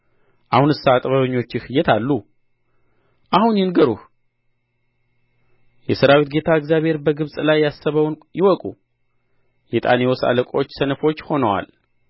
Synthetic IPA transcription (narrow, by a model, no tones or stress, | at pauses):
ʔahunɨsːat̪ʼβəβɨɲːo̞t͡ʃːɪhɨjːɛt̪ʰalːu | ʔahunjɛnɡəɾuh | jɛsɨɾawit̪̚ɡe̞t̪ʰaɨɡzjaβhe̞ɾbəɡɨβsʼlajːasːəβəwnjɪwɔkʼu | jɛt̪ʼa̰newosa̰ləkʼo̞t͡ʃːsənəfo̞t͡ʃːho̞nəwa̰l